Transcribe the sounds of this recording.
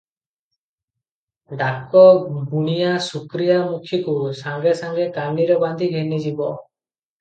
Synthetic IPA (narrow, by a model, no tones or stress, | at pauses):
ɖakɔbuɽ̃ijasukɾijamukʰjikusaŋɡesaŋɡekaniɾɔband̪ʱiɡʱenid͡ʒibɔ